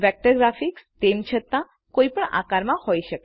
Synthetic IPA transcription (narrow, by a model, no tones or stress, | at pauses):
ʋɛk̚ʈəɾɡɾafikst̪emt͡ʃʰət̪ã | kojpəɳa̰kaɾmãhojʃək